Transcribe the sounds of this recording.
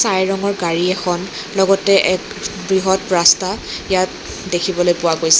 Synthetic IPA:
sajɹɔŋɔɹɡaɹiɛxʰɔn | lɔɡɔtɛʔɛk | bɹiɦɔt̚pɹastaijat | dekʰibɔlojpʊwakojsɛ

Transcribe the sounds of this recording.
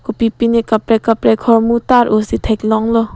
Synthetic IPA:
kɔpipinikapɾekapɾekʰɔɾmutaɾʔosit̪ʰejk̚lɔŋlɔ

